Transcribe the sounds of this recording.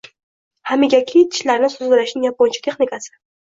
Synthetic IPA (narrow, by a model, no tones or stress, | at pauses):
hamɪɡʲakʲʰit̪ʰɪ̥ʃlaɾnɪsʊzɡɪlaʃnɪŋjapːɒnt͡ʃʰḁt̪ʰe̞χnɪkasɪ̥